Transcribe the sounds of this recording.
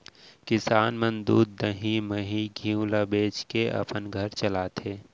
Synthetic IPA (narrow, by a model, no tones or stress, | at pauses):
kɪsaːnmə̃nd̪uːd̪ːəɦiməɦiɡʱĩulabeːt͡ʃkeʔɐ̰pənɡʱəɾt͡ʃəlaːt̪ɦeː